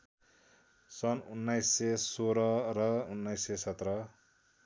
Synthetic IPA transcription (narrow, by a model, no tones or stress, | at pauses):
sʌnunːajsːesoɾʌrʌunːʌjsːesʌt̪rʌ